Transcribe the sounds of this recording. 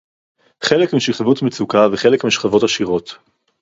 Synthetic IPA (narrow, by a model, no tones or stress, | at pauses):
χe̞lekmiʃiχavutmet͡sukaveχelekmiʃχavo̞taʃiʁo̞t